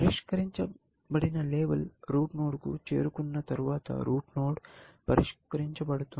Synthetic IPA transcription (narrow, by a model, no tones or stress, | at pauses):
pɐɾiʃkɐɾiɲt͡ʃɐ | pɐɽinɐleːʋɐlɾuːʈnoːɽkṵt͡ʃḛːɾukunːɐt̪ɐɾuʋaːt̪ɐ̰ɾuːʈnoːɽpɐɾḭʃkɐɾiɲt͡ʃɐbɐɽut̪ːu